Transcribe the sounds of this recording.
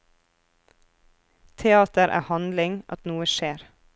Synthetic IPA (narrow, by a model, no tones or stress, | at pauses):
t̪ʰɛɑːt̪əɾʔæ̰ːhɑnd̪lɪŋʔɑ̰t̪nuːəʃeːɾ